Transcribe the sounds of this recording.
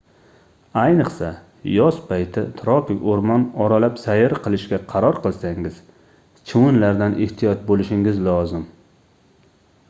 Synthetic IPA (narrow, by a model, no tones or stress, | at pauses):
ajnɨqsa | jɒspʰajt̪ʰɪ̰t̪ʰɾɒfɪkʲoɾmɒnɒɾalapsajɪɾqʰɨlˠɪʃkʲaqʰɑɾɒɾqʰɨlˠsaŋɪz̥ | t͡ʃʰɪwʊnlaɾd̪anʔɪht̪ʰijɒt̪̚bolɪʃɪŋɪzlɒzɪm